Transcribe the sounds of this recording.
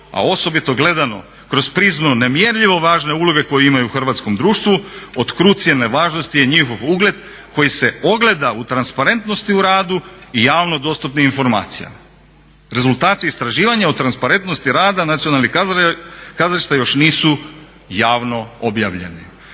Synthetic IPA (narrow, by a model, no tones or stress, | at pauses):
a̰o̞so̞bit̪o̞ɡle̞d̪ano̞̰ | kɾo̞zpɾiːzmnone̞mjeɾʎiʋo̞ʋaːʒne̞ulˠo̞ɡe̞ko̞jeimajuːxrʋat̪sko̞md̪ɾuːʃt̪ʋuot̪kɾuːt̪sijeneʋaːʒnost̪ije̞ɲixo̞ʋuːɡled̪ | ko̞jise̞o̞ɡlˠe̞d̪aut̪ɾanspaɾe̞nt̪no̞st̪iuɾaːd̪uijaːʋno̞d̪o̞st̪upniinfo̞ɾma̰ːt̪sija̰ma | ɾe̞zulˠt̪aːt̪iist̪ɾaʒiːʋaɲaot̪ɾanspaɾe̞nt̪no̞st̪iɾaːd̪anat̪sionalˠni | kazɾiʃt̪ajo̞ʃniːsu | jaːʋno̞obja̰ːʋʎe̞̰ni